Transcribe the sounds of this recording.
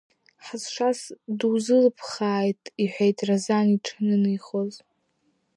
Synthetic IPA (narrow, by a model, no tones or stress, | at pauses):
ħazʂasduzɨlpʰχaːjtʼiħʷejtʼrazaniʈ͡ʂʰnɨnɨjχoz